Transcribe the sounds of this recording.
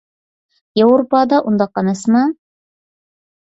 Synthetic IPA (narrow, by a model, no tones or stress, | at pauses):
jewɾopɑd̪ɑʔund̪ɑqɑnɤsmɑ